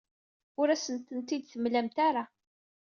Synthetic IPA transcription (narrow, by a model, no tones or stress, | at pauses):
ʊɾæsənt̪ənt̪id̪θəmlæmt̪aɾa